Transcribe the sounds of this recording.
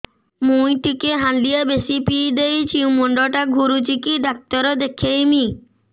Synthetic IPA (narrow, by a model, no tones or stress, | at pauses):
mujʈikeɦãnlijabesipid̪ejt͡ɕʰiũmoɳɖɔʈaɡʱuɾut͡ʃikiɖak̚t̪ɔɾɔd̪ekʰejmi